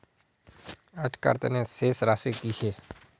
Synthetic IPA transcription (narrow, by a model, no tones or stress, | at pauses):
ad͡ʒka̰ɾt̪ḛneseːsɾaːsikit͡ʃʰeː